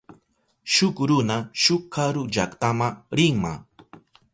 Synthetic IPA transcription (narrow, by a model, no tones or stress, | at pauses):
ʃʊkɾʊnaʃʊkʰːaɾʊʎa̰kt̪amaɾɪŋma̰